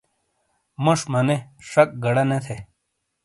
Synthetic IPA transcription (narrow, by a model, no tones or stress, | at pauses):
mɐʂmɐneʂɐk̚ɡɐɽɐnet̪ʰe